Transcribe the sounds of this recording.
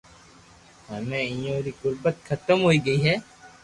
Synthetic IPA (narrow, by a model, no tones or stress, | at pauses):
ɦɐmẽːɪ̃jõːɾikʊɾbət̪xɐt̪əmɦoːiːɡɐiːɦɛː